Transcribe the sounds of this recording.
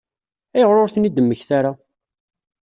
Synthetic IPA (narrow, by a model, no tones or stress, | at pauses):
æjəʁɾʊɾθnid̪əmːəçθaɾa